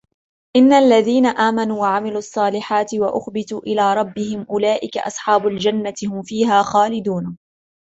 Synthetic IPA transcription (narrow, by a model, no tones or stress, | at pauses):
ʔɪnːalːaðiːnaʔaːmanuːwaʕamɪluːɑsˤːɑːlɪħaːt̪ɪwaʔʊxbɪt̪uːʔɪlaːɾˤɑbːɪhɪmʔʊlaːʔɪka̰ʔɑ̰sˤħɑːbʊld͡ʒanːat̪ɪhʊmfiːɦaːxaːlɪd̪uːn